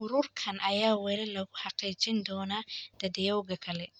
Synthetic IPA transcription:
ʔʊɾʊːrkʰɐnʔɐjaːwɛlɛlɐɣʊħɑqiːt͡ʃɪnd̪ɔːnad̪̥ɐd̪ɛjɐwɣɐkʰɐlɛ

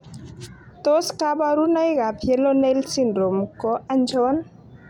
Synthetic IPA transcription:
t̪oskabaɾunajɡabʰʱjelɔnelsindɾomkɔand͡ʒɔwan

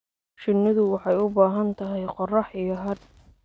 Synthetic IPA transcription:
ʃɪnːɪðʊwɑħɑjʊbaːɦɐnt̪ʰɐɦɛjqɔrɑħijɐɦɐd

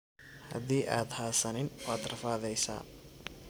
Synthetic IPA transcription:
hɐ̰ðiːʔaːd̪haːsɐnɪnwaːd̪rɐfaːðɛjsa̰ː

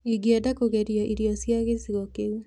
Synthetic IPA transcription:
iɡiadakoɣeɾjaʔiɾiɔsjaɣesiɣɔke

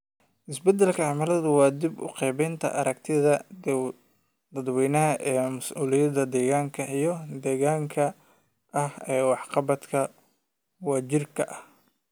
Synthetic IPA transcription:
ʔɪsbɛd̪ɛlkʰɐʕɑmɐlɐðʊwɑːd̪ibʊ̰qɛːβɛjnt̪ʰɐ̰ʔɐ̰ɾɐk̚t̪ʰɪðɐ | d̪ɐd̪wɛːnɐɦɐʔɛːmɐsʔuːlɪjɐd̪ɐd̪ɛːɣaːŋkʰɐʔijɞd̪ɛːɣaːŋkʰɐ | ʔɐhɛːwɑħqɑβɐd̪kʰɐ | wɑːd͡ʒɪrkʰɐʔɐh

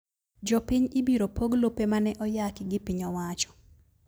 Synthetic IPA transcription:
d͡ʒɔpɪɲɪbiɾopʰoɡlopemanɛʔɔjakɪɡɪpiɲɔwat͡ʃɔ̥

